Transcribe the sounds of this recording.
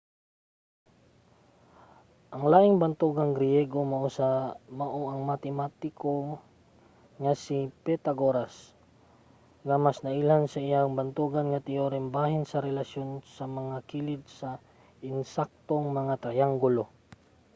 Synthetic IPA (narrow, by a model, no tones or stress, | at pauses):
ʔɐŋlaːʔɪŋbɐnt̪uɡɐŋɡɾɪjɛɡomɐʔosamɐʔoʔɐŋmat̪ɛmat̪ɪko | ŋɐsipɛt̪ɐɡoɾas | ŋɐmasnɐʔilansɐɪjaŋbɐnt̪uɡɐnŋɐt̪ɪjoɾɛmbaɦɪnsɐɾɛlɐʃjonsɐmɐŋakiːlɪd̪̚sɐ | ʔɪnsak̚t̪oŋmɐŋat̪ɐjaŋɡʊlo